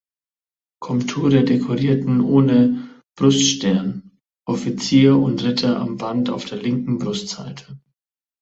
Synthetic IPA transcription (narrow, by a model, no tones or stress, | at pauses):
kʰɔmptʰuːʁədekʰɔʁiːɐtn̩ʔoːnə | b̥ʁʊstʃtɛɐn | ʔɔfit͡siːɐʊntʁ̥ɪtʰɐʔa̰mbanta̰ʊfd̥eːɐlɪŋkŋ̩bʁʊstz̥a̰ɪtʰə̥